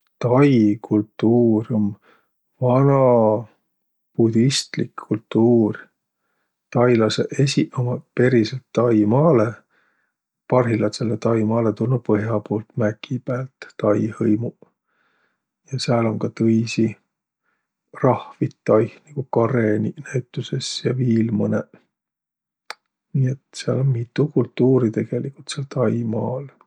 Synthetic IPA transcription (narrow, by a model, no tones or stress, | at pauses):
t̪ɑjkʰult̪ˑːuːron | vɑnɑ | pud̪ist̪likʰːult̪ːuːr | t̪ɑjlɑsḛʔe̞sʲiʔomɑpe̞ɾiselt̪ːɑjmɑːle | pɑrɦilɑt̪selːet̪ɑjmɑːle̞t̪ulnupɤɦjɑpoːlt̪mækːipæːlt̪ːɑjhɤjmu | jɑseɑlo̞ŋkɑt̪ɤjsi | rɑhvit̪ːɑjhniɡ̥ukɑreninæɥt̪ːˑuse̞sjɑviːlmɤne | niːet̪seɑ̰lo̞nmit̪ːˑukult̪ːuːɾit̪e̞ɡ̥e̞likult̪seɑlt̪ɑjmɑːl